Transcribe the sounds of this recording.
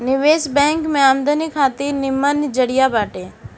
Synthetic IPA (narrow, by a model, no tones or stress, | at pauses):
nɪʋeːsbɛ̃ːŋkmẽaːmd̪ənikʰaːt̪iːɾnɪmːənd͡ʒəɽijabaːʈeː